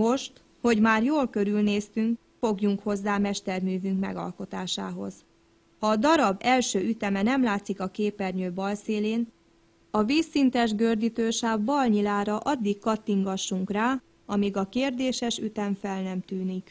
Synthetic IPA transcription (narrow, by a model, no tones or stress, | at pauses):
mo̞ʃt̪ | ho̞ɟmaːrjoːlkø̞ɾylneːst̪yŋk | fo̞ɡjuŋkho̞zːaːmɛʃt̪ɛrmyːvyŋkmɛ̰ɡɒ̰lko̞t̪aːʃa̰ːɦo̞̰z̥ | hɒːd̪ɒɾɒbɛlʃøːʔyt̪ɛmɛnɛmlaːt̪sikɒkeːpɛrɲøːbɒlseːleːn | ɒviːsːint̪ɛʒɡørd̪it̪øːʃaːvbɒlɲilaːɾɒʔɒd̪ːikkɒt̪ːiŋɡɒʃːuŋkraː | ɒmiɡɒkeːrd̪eːʃɛʃyt̪ɛɱfɛlnɛmt̪yːnik